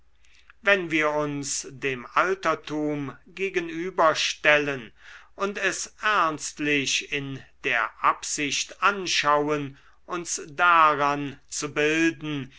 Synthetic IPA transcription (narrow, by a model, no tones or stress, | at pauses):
vɛnviːɐʊnsdeːmaltɐtʰuːmɡeːɡənyːbɐʃtɛlənʔʊntɛsʔɛɐnstlɪɕɪnd̥eːɐʔapz̥ɪɕtʔanʃawən | ʔʊnsdaʁant͡subɪldn̩